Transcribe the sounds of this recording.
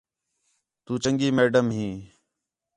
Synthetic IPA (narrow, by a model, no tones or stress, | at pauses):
t̪uːt͡ʃəŋɡiːmeːɖəmɦĩː